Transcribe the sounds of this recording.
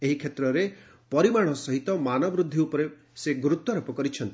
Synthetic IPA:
eɦikʰet̪ɾɔɾe | pɔɾimaɽ̃ɔsɔɦit̪ɔmanɔbɾud̪ʱːiupɔɾe | seɡɾut̪ːɔɾɔpɔkɔɾit͡ʃʰɔnt̪i

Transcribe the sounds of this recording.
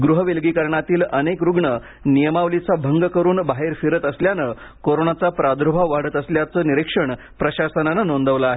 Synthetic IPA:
ɡɾuɦəʋelɡiːkəɾɳat̪iːlənekɾuɡɳə | nijəmaʋlit͡sabʱəŋɡkəɾuːnbaɦeɾfiɾət̪əsljanə | koɾonat͡sapɾad̪ʱɾubʱaʋaɽ̤əːt̪əsljat͡səːniɾikʂəɳ | pɾəɕasənanənond̪ʱəʋlaaːɦe

